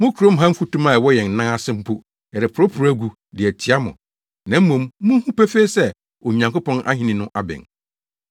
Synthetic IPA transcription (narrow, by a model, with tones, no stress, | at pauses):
mʊ̃˦kʰu˨ɾõ˦m˦ɦã˦m̩˦fu˦tũ˦mã˨wɔ˦jɛ̃˨n̩˨nã˦a˦sɪ̃˦m̩˦pʰu˦ | ɛ˨ɾɪ˨pʰʊ˨ɾo˦pʰu˨ɾæ˦ɡu˨ | dɪ˨æ˨tʰi˦a˦mʊ̰̃˨ | nã˨m̩˦mõ˨m˦mʊ̃˦hũ˦pe˦fe˦sɛ˦ | ɔ˨ɲã˨ŋko˦pʰɔ̃˦na̰˦ɦĩ˦nĩ˨nʊ̃˦ʔa˨bɛ̰̃˨n